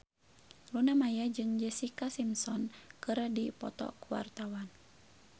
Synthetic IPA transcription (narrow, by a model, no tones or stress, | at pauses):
lunamajad͡ʒɨŋd͡ʒɛsikasimsɔnkɨɾdipɔ̰t̪ɔ̰kuwa̰rt̪awan